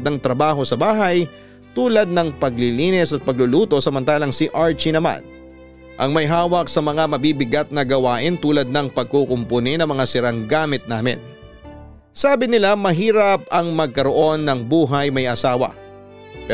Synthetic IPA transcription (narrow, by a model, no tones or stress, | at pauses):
d̪nɐŋt̪ɾɐbaːɦo̞sɐbaːɦɐj | t̪uːlɐd̪̚nɐŋpɐɡ̚liliːnɛsɐt̪̚pɐɡ̚lʊluːt̪o̞sɐmɐnt̪aːlɐŋsɪʔaɹt͡ʃinɐma̰n | ʔɐ̰ŋmɐjɦaːwɐk̚sɐmɐŋamɐbiːbɪɡat̪̚nɐɡɐwaːʔɪnt̪uːlɐd̪̚nɐŋpɐɡ̚koːkʊmponɪnɐmɐŋasɪɾɐŋɡaːmɪt̪̚naːmɪ̰n | saːbɪnɪlamɐɦiːɾɐp̚ɐŋmɐɡ̚kɐɾo̞ʔo̞nːɐŋbuːɦɐjmɐjʔɐsaːwɐ̰ | pɛ